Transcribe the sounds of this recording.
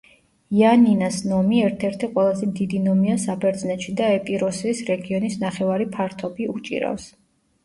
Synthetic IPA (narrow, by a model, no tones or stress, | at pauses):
ianinasnɔmiɛɾt̪ʰɛɾt̪ʰɛqʼwɛlˠazɛmd̪id̪inɔmiasabɛɾd̪znɛt̪ʃid̪aɛpʼiɾɔsisɾɛɡiɔnisnaχɛvaɾipʰaɾt̪ʰɔbiut͡ʃʼḭɾa̰fs